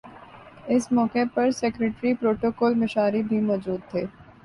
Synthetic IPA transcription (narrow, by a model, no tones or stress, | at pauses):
ɪsmɔːkepɐɾsɛːkɾeːʈɾipɾoːʈoːkɔːlmɪʃaːɾibʱimɔːd͡ʒuːd̪̚t̪ʰeː